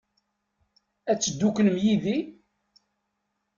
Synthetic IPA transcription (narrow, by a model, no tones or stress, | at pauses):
æt͡sːəd̪ːukləmjiði